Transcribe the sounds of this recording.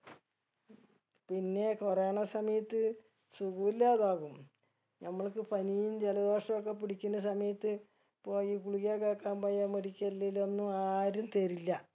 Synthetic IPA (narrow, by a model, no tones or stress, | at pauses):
pinːe̞koreaɳɐsɐmɐjɐt̪ːɨ | suɣuːilːaːðaːɣum | nɐmːɐɭkɨpɐnijumd͡ʑelɐðo̞ːʂɐmok̬ːe̞piɽikʲːunːɐsɐmɐjɐt̪ːɨ | po̞ːjikuɭiɣaːkːaːkːaːnpoːjaːmeɽikʲːɐlːilo̞nːuaːɾumt̪eɾilːɐ